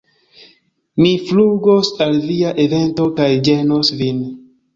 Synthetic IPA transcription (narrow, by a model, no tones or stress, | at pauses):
mifluɡosalviaʔe̞ve̞nto̞kajd͡ʒenosvin